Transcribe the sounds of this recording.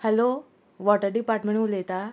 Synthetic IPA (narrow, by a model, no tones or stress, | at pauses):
hɛlo | ʋɔʈəɾɖipaɾʈmẽɳulet̪a